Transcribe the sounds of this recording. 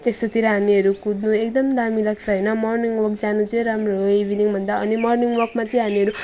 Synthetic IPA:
t̪est̪ot̪iɾʌɦamiɦʌɾukud̪nuekd̪ʌmd̪amilaksʰʌɦʌjnʌmʌrniŋɡwʌrkd͡zanut͡sʌĩɾamroibʱiniŋbʱʌnd̪aʌnimʌrniŋɡwʌkmat͡sʌĩɦamiʌɾu

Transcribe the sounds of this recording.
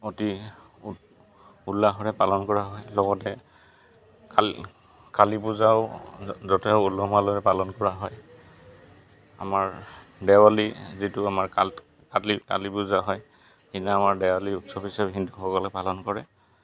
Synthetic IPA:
oti | ulːaɦɔɹɛpalɔnkɔɹaɦɔjlɔɡɔtɛ | a | kalipuzaʊzɔtɛʊulɔmaloɹɛpalɔnkɔɹaɦɔj | a̰maɹ | dɛwalizitʊamaɹka | kalita̰lipuzaɦɔj | hinaamaɹdɛwaliutsɔpisabɦindʱuxɔkɔlɛpalɔnkɔɹɛ

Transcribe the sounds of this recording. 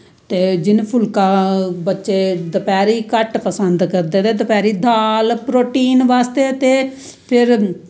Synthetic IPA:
t̪eːd͡ʒɪnpʰʊlkãːbətːʃeːd̪əpɛːɾiːkəʈpəsənd̪kəɾd̪eːt̪eːd̪əpɛːɾiːd̪ʱaːlpɾoːʈiːnʋaːst̪eːt̪eː | pʰɪɾ

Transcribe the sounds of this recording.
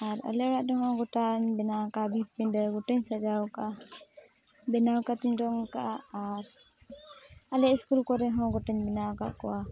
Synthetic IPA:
aɾa̰lɛɽaʔɖɔɦɔ̃ɡɔʈaɲbɛnawkabʱit̚piɖəɡɔʈɛɲsad͡ʒawka | bɛnawkat̪iɲɖɔŋkaːɾ | alɛʔiskulkɔɾɛɦɔ̃ɡɔʈaɲbɛnawka̰ʔkɔwa

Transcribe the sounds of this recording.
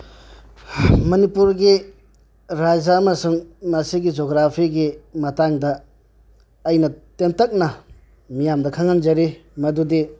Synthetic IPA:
mɐnipuɾɡi | ɾad͡ʒɐːmɐsuŋmɐsiɡid͡ʒoɡɾapʰiɡimɐtaŋdɐ | jnɐtemtɐk̚nɐ | mijamdɐkʰaŋanzɐɾimɐdudi

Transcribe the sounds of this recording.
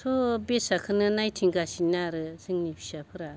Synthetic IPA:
sʰɔbesakʰɯnɯnajtʰiŋɡasinaɾɯsɯŋnipʰi̥sapʰɯɾa

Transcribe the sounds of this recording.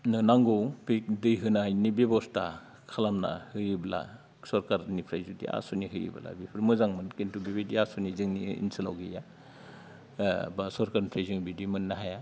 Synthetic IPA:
nɯnaŋɡowpik̚dɯjɦɯnanibebɔsta̰ | kʰalamna̰hɯɾibla̰ | sɔɾkaɾnipʰɾajzudḭa̰suniɦɯjḭbɐ̰la̰bipʰɯɾmɯzaŋmɯnkentubibidiasunizɯŋniḭnsɯla̰wɡija | basɔɾkaɾnipʰɾajzɯŋbidimɯnːaɦaja

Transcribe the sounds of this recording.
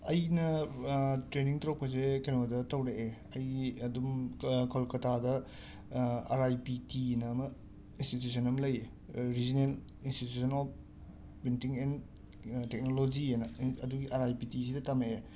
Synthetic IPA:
ɐjnɐ | tɾeniŋtɾopːɐsekenodɐtɐwɾeeɐjɐdumkʰolkɐtʰadɐ | aɾajpitinɐːmɐ | institjusʰɐnɐmlɐje | ɾizinen | institusʰɐnop̚ | pintiŋen | tek̚nolod͡ʒienɐɐduɡiʔaɾajpitisidɐtɐmee

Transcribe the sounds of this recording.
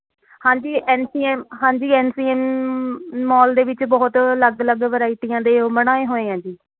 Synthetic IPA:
hãːɲd͡ʒiːʔɛːnsiːɛːmɦãːɲd͡ʒiːɛːnsiːɛːmː | ɔːld̪eːʋɪt͡ʃbɔːt̪ləɡələɡʋəɾaːiːʈiːãːd̪eːoːməñaːeːɦoːẽːãːd͡ʒiː

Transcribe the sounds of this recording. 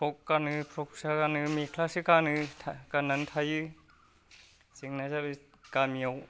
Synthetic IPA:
pʰɾɔkːanɯpʰɾɔk̚sakanɯmikʰlasikanɯtʰakanantʰajɯ | siŋnazabɯ | kamiaw

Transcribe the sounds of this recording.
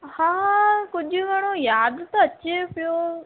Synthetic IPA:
hãːkʊʄʱʊɡʱɐɽ̃ojaːd̪t̪oɐt͡ɕepɪjo

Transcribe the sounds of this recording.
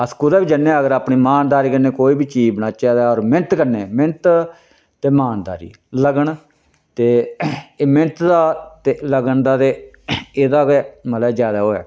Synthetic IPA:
əskuːd̪aːbiːd͡ʒənːeɛ̃əɡəɾaːpɳiːmaːnd̪aːɾiːkəɾnẽːkoːiːbiːt͡ʃiːbnãːt͡ʃɛːd̪aːɔːɾmɪnt̪kəɾneːmɪnt̪ | t̪eːmaːnd̪a̰ːɾḭː | ləɡəɳ | t̪eː | mɪnt̪d̪aːt̪eləɡəɳd̪aːt̪eː | eːd̪aːɡɛməlɛd͡ʒjaːd̪aːɦoːɛ̰ː

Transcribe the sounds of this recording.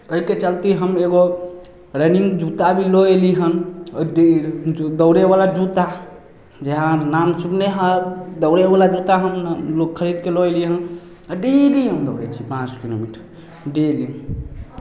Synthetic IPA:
əɦiket͡ʃəlt̪iɦəmeɡo | ɾɛniŋɡd͡ʒut̪abʱiloeliɦənɖed̪əwɾebalad͡ʒut̪a | d͡ʒeɦãnamsupneɦad̪əwɾebalad͡ʒut̪aɦəmlokkʰːəɾid̪keloeliɦən | əɖeliɦəmd̪əwɾɛ̰t͡ʃʰipãt͡ʃkilo̰miʈ | ɖeli

